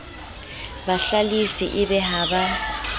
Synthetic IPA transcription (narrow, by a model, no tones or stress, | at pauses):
baɬalisḭʔɪbɛɦaːba